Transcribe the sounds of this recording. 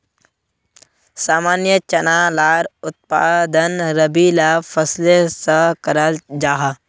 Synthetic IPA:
saːmaːnjət͡ʃɐnaːlaːɾʊt̪̚paːd̪ənɾəbilafʰəslesəkəɾəld͡ʒaːɦa

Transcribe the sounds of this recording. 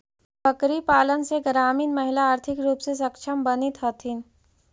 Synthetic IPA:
bʱəkɾipaːlənseɡɾaːmiːnmɐɦɪlaaːɾt̪ʰɪkɾuːpses̬ɐkʃʰəmbənit̪ɦɔt̪ʰin

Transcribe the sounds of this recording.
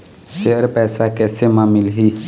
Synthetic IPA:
ʃeəɾpɛːsakɛːsemãːmɪlɦiː

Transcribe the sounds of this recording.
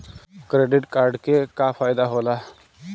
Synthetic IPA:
kɾeɖiʈkaɾɖkekafajd̪aɦola

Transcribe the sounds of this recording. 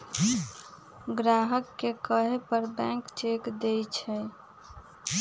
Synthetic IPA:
ɡɾaɦəkːekəɦepəɾbɛ̃kt͡ʃekd̪et͡ʃʰɛ

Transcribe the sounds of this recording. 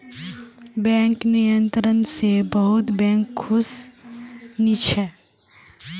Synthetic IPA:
bɛ̃ːŋknijə̃nt̪ɾənsebəɦʊt̪bɛ̃ːŋkʰːʊs | nit͡ʃʰə

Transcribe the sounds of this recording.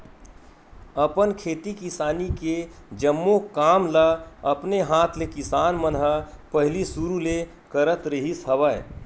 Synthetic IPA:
əpənkʰeːt̪ikɪsaːniked͡ʒəmːokaːmləɐpneɦaːt̪ʰlekɪsaːnmənɦəpəɦlisuɾule | kəɾət̪ɾəɦisɦɐʋəe

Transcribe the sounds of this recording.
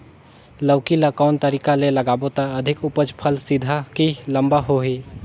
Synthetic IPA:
ləwkiləkaʊnt̪əɾiːkaleləɡaːbot̪aɐd̪ʱɪkʊpəd͡ʒpʰəlsɪd̪ʱakilə̃mbaɦoɦi

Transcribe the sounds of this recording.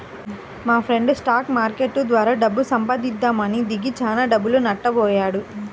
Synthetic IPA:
maːpʰɾe̞ɳɖsʈaːkmaːɾkeʈːud̪ʋaːɾaːɖɐbːusɐmpad̪id̪ːaːmɐnid̪iɡit͡ʃaːnaːɖɐbːulunɐʈːɐbɔːjaːɽu

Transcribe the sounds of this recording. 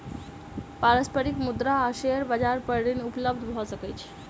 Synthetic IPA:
paɾəspəɾikmud̪ɾaəɕeəɾbəd͡zaɾpəɾɽiːnupləbd̪ʱɦosəkəjt͡ɕʰ

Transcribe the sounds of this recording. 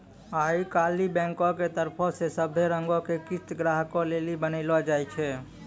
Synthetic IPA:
aːikaːlibɛ̃ːŋkɔket̪əɾpʰɔsesəbʱeɾəŋɡokekɪst̪ɡɾaɦkɔ̃lelibənəlɔd͡ʒaːjt͡ʃʰɛ

